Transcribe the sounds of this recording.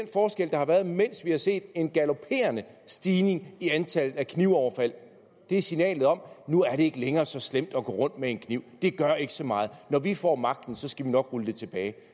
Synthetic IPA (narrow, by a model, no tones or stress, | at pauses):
d̥enfɒːsɡ̥el̰d̥ɑ̈hɑ̈ʋæɐð̞ˠmen̰sʋihɑ̈se̝̰ːd̥e̝nɡ̥ælo̝pʰe̝̰ːɐnə | sd̥iːne̝ŋiænt͡sʰæl̰ð̩ˠækʰniʊɒʊɐfæl̰ | d̥e̝æɐsinɛ̰ːlð̩ˠɒ̽mnuæɐɾe̝e̝ɡ̥əleŋɐːsɒ̽slem̰d̥ɒ̽ɡ̥ɔ̰ːʁɔ̽n̰d̥meenkʰniʊ̰d̥e̝ɡ̥ɶɐe̝ɡ̥ə̥sɒ̽mɑ̈ːð̞̩ˠnɒʋifɒ̰ːmɑ̈ɡ̥̚d̥n̩sɒ̽sɡ̥æʋinɒ̽ɡ̥ʁuld̥e̝t͡sʰe̝b̥ɛːɪ